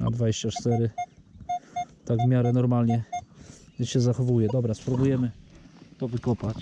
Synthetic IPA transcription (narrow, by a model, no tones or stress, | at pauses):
a̰d̪vad͡ʑeɕt͡ɕat͡ʂt̪ɛɾɘ | t̪aɡvmʲjaɾɛnɔɾmalɲɛ | ɕɛzaxɔvujɛd̪ɔbɾaspɾubujɛmɘt̪ɔvɘkɔpat͡ɕ